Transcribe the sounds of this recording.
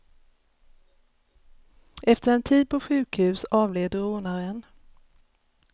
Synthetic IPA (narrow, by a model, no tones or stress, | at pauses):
ɛft̪əɾɛnt̪ʰiːd̪̚pʰɔɧʉ̟ːkhʉ̟ːsɑːvleːd̪əɾoːnaɾɛn